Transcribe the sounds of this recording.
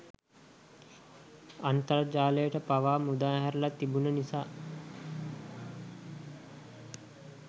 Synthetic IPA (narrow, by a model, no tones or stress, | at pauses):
ant̪əɾd͡ʒaːləjəʈəpaʋaːmud̪aːɦæɾlat̪ibunənisaː